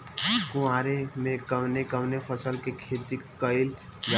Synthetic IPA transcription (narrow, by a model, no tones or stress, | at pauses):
kʊãɾemẽkəmnekəmnepʰəsəlkekʰet̪ikəɪld͡ʒa